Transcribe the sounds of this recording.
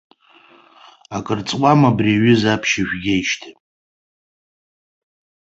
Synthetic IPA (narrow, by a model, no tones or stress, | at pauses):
akʼɨrt͡sʼwʷʼamabriaɥɪzapʰʃaʒᶣɡʲejʃtʰi